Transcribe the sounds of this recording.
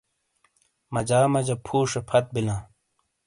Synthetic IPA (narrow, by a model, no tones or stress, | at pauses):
mɐd͡ʑaːmɐd͡ʑɐpʰuːʂɐpʰɐt̪̚bilãː